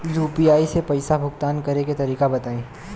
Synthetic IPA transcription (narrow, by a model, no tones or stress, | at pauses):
juːpiaːisepɐɪsabʱʊkt̪aːnkɐɾeket̪ɐɾiːkabɐt̪aːẽː